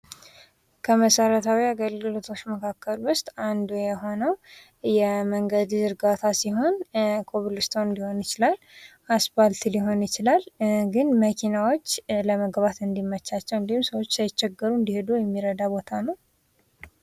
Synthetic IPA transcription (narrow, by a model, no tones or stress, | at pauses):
kʰəməsəɾət̪ʰawiaɡəlɡɨlo̞t̪ʰo̞t͡ʃːməkʰakːəlwʊst̪ʼand̪ujɛɦo̞nəw | jɛməŋɡəd̪zɨɾɡat̪ʰasiɦo̞nkʰʼoβlɨst̪ʰoɨnd̪iho̞njɪt͡ʃɪlal | asbalt̪liɦo̞njɪt͡ʃɪlalɡɨnməkʰinawo̞t͡ʃːləməɡβat̪ɨnd̪imːət͡ʃːat͡ʃːɛwɨnd̪ihumsəwo̞t͡ʃːsajt͡ʃːɛɡːəɾuɨnd̪ihed̪ujɛmːiɾəd̪abot̪ʰanəw